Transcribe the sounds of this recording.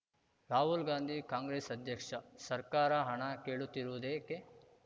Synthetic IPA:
ɾaːɦulɡaːnd̪ʱiːkaːŋɡɾeːsɐd̪ʱjɐkʂɐsɐɾkaːɾɐɦɐɳɐkeːɭut̪ːiɾuʋd̪eːke

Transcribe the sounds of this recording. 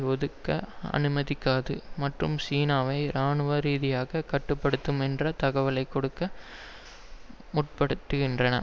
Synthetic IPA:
ʋɔðɯkːɐ̰ɐ̰nɯmɐðɪkːaːðɯmɐʈrɯmsiːnaːʋɐɪɾaːnɯʋɐɾiːðɪjaːɣɐkɐʈːɯpːɐɽɯt̪ːɯmɛndrɐt̪ɐɣɐʋɐlɐɪkːɔɽɯkːɐ | mʊʈ̚pɐɽɯt̪ːɯɣɪndrɐnɐ̰

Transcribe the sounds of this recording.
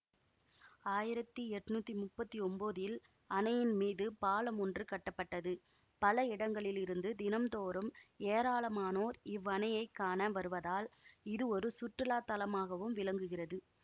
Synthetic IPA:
aːjɪɾɐt̪ːiɛʈːnuːt̪ːimʊpːɐt̪ːiɔmboːðɪl | ɐnɐjɪnmiːðɯpaːlɐmɔndrɯkɐʈːɐpːɐʈːɐðɯ | pɐlɐɪɽɐŋɡɐɭɪlɪɾɯnd̪ɯd̪ɪnɐmt̪oːɾɯmeːɾaːlɐmaːnoːɾɪʋːɐnɐjɐɪkːaːnɐʋɐɾɯʋɐðaːlɪðɯɔɾɯsʊʈrɯlaːt̪ːɐlɐmaːɣɐʋɯmʋɪlɐŋɡɯɣɪrɐðɯ

